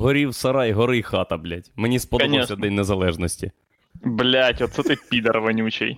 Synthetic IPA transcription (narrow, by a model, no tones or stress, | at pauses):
ɦɔɾʲiwsɐɾɑjɦɔɾɪxɑt̪ɐblʲatʲmenʲispɔd̪ɔnssʲɐd̪ɛnʲnezɐlˠɛʒnɔsʲtʲi | blʲatʲɔt̪sɛt̪ɪpʲid̪ɐrʋɐnʲut͡ʃḛj